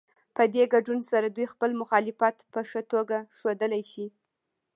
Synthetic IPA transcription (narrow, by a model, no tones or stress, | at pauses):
pəd̪eɡaɖunsaɾad̪ujxpəlmʊxɑlɪfat̪pəʂət̪oɡaʃod̪əlajʃi